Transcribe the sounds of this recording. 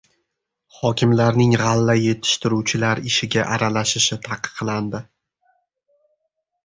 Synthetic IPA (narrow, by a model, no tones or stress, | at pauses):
χɒkʲʰɪmlaɾnɪŋʁalːaje̞t̪ʰɪ̥ʃt̪ɪɾuwt͡ʃʰɪlaɾɪʃɪɡʲaʔaɾalaʃɪʃɪt̪ʰɑqɨ̥qlˠand̪ɪ